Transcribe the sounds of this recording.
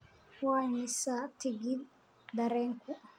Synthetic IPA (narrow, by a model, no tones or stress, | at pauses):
waɲisat̪iɡid̪ | d̪ɐɾɛŋku